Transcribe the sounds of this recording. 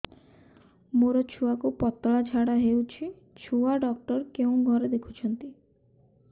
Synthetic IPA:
moɾɔt͡ʃʰuakupɔt̪ːɔɭad͡ʒʱaɽaɦewt͡ʃʰi | t͡ʃʰuaɖɔk̚ʈɔɾkeũɡʱɔɾed̪ekʰu̥t͡ʃʰɔnt̪i

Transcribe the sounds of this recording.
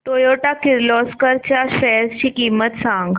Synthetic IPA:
t̪ojoʈakiɾlɔskəɾt͡ɕaɕɛst͡ɕiːkiːmət̪sãŋɡ

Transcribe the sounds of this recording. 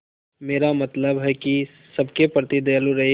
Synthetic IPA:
meːɾamɐt̪ləbɦɛki | sɐbkepɾət̪id̪ɐaluɾɐɦe

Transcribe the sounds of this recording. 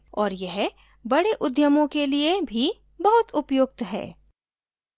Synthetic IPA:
ɔːɾjɛɦ | bɐɽeʔʊd̪jəmõkeliebʱi | bɐɦʊt̪ʊpjoːk̚t̪ɦɛ̰ː

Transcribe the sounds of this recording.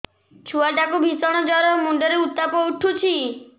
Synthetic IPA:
t͡ʃʰuaʈakubʱisɔɽ̃ɔd͡ʒaɾɔmuɳɖɔɾeut̪ːapɔuʈʰut͡ʃʰi

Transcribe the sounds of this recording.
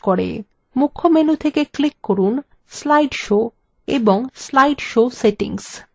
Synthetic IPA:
koɽḛ | mukʰːomenut̪ʰekeklikːoɾun | slajɖʃo | ḛboŋslajɖʃoseʈḭŋs

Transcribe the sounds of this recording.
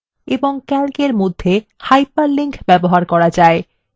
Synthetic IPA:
eboŋkɛlkeɾmod̪ʱːe | hajpaɾliŋkʰbɛboɦaɾkɔɾad͡ʑae

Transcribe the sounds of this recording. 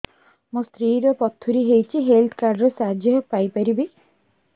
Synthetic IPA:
mɔst̪ɾiːɾɔpɔt̪ʰːuɾiɦejt͡ʃʰiɦelt̪ʰkaɾɖɾesad͡ʒjɔɦpajpaɾibi

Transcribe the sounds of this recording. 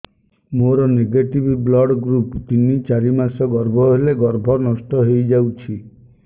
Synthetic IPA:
moɾɔneɡeʈibʱiblɔɽɡɾupt̪init͡ʃaɾimasɔɡɔɾbʱɔɦeleɡɔɾbʱɔnɔsʈɔɦejd͡ʒawt͡ʃʰi

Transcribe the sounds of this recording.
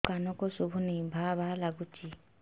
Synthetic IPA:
kanɔkosubʱunibʱabʱalaɡut͡ʃi

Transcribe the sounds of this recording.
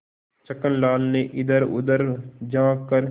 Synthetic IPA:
t͡ʃəkənlaːlneʔɪd̪əɾʊ̰d̪əɾd͡ʒãːkːəɾ

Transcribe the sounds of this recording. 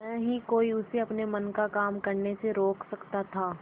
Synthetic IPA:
mɛ̃ːɦikoːiʊseɐpnemɐnkakaːmkɐɾneseɾoːkʰsɐkt̪at̪ʰaː

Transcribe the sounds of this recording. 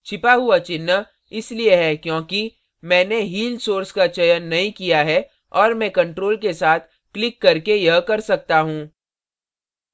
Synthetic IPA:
t͡ʃʰɪpaɦuat͡ʃɪnːə | ɪslieɦɛkjõːki | mɛ̃ːneɦiːlsoːɾskat͡ʃɐjənːɐɦĩkijaɦɛ | ɔːɾmɛ̃ːkɐ̃ɳʈɾoːlk̬esaːt̪ʰ | klɪkːɐɾkejɐɦkɐɾsɐk̚t̪aɦũː

